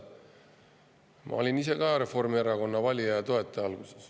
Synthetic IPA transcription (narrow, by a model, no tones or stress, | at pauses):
mʔɑ̰o̞lʲinise̞kɑjɑɾe̞fo̞rmieɾɑko̞nːɑvɑlʲiɑjɑt̪o̞e̞t̪ːˑeɑlɡ̥use̞̥s